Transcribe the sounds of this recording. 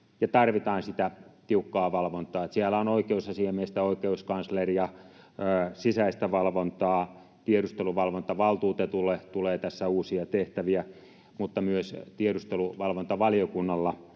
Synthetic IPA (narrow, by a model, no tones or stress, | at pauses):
jɑt̪ɑrʋit̪ɑːnsit̪æt̪iukːɑːʋɑlʋont̪ˑɑːet̪siælæonoikeusɑsiɑmest̪æoikeuskɑnsleriɑ | sisæist̪æʋɑlʋont̪ɑː | t̪ieɾust̪eluʋɑlʋont̪ɑʋɑlt̪uːt̪et̪ulet̪uleːt̪æsːæuːsiɑt̪eht̪æʋiæ | mut̪ːɑmyøst̪ieɾust̪eluʋɑlʋont̪ɑʋɑlijokunːɑlːɑ